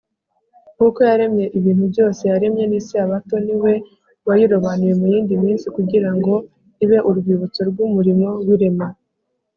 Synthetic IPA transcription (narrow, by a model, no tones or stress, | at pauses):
kuko̞jaɾe̞mɲe̞ʔiβiːn̥ubɟo̞ːse̞jaɾe̞mɲe̞nisiaβato̞niwe̞ | wajiɾo̞βanuje̞mujiːndimiːnsikuɟiɾaŋɡo̞ | iβe̞ʔuɾɡwiːβut͡so̞ɾɡumuɾimo̞wiɾe̞ma